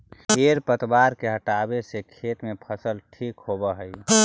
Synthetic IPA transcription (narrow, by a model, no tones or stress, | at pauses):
heɾpət̪baɾkeɦəʈabesekʰet̪mẽpʰəsəlʈʰikɦobəɦəj